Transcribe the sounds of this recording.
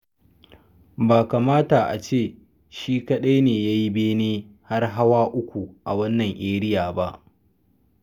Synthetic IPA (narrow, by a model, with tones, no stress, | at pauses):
baː˨ka˨maː˦ta˨ʔa̰˨t͡ʃeː˦˨ | ʃiː˦kɐ˦ɗa˦jneː˨jaː˦ji˦beː˦neː˦ | ha˦rɦa˦waː˦ʔʊ˦kʷu˨ʔa̰˨wɐ˦nːɐ˨ŋʔeː˦ɾɪ˦jaː˨ba˦ʔ